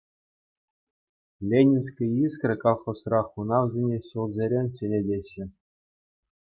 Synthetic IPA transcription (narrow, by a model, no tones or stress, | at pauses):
lʲenʲinʲskʲĭiskrʲɘ̆kolˠχosrɑχunɑʋzʲenʲeɕulˠzʲeɾʲenʲɕɘlʲedʲeɕːɘ̆